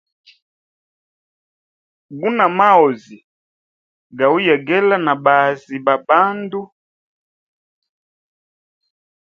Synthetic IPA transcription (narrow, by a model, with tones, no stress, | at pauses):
ɡu˦na˨ma˦ɔ˨zi˨ | ɡa˨u˦jɛ˨ɡɛ˦la˦na˨ba˨zi˨ba˨ba˦ndu˦